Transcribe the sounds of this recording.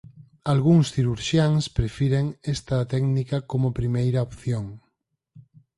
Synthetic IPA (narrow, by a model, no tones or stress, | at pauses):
alɣuŋsθiɾuɾʃjaŋspɾefiɾeŋest̪ɐt̪ɛɡnikɐkomopɾimejɾaopθjoŋ